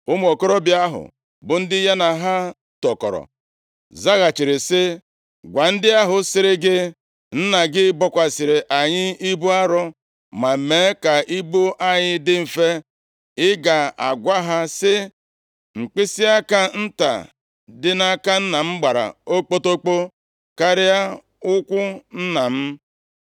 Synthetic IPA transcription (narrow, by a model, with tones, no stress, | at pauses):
ʊ˦m˦o˨ko˦ɾo˦bɪ˦a˦ɦʊ̰˨ | bʊ˨n̩˦dɪ˦ja˦na˨ɦa˦ | tɔ˨kɔ̰˨ɾɔ̰˨ | za˦ɣa˨t͡ʃi˨ɾɪ˨sɪ˦ | ɡʷa˨n̩˦dɪ˦a˦ɦʊ˨sɪ˨ɾɪ˦ɡɪ˦ | n̩˦na˨ɡɪ˦bɔ˦kʷa˨sɪ˨ɾɪ˨ʔa˨ɲɪ˦i˦bu˦a˦ɾɔ˦ | ma˨me˨˦ka˨ʔi˦bu˦ʔa˦ɲɪ˦dɪ˦m̩˨fe˦ | ɪ˦ɡa˨a̰˨ɡʷa˦ɦa˦sɪ˦ | ŋ͡m̩˨k͡pɪ˦sɪ˦a˦ka˦n̩˦ta̰˨ | dɪ˦na˦ka˦n̩˦na˨m̩˦ɡ͡ba˨ɾa̰˨o˦k͡po˦to˦k͡po˦ | ka˦ɾɪ˦a˦ | ʊ˦kʷʊ˦n̩˦na˨m̩˦